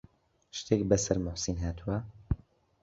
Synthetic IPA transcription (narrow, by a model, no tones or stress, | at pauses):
ʃt̪ʰeːkbɐsɐɾmʊħsinɦaːt̪ʰuwɐ